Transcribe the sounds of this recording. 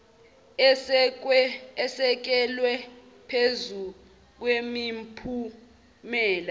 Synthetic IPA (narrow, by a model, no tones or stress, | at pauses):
ɛsɛk̬ɛlwɛ | pʰezu | k̬wemimpʰu | mɛːla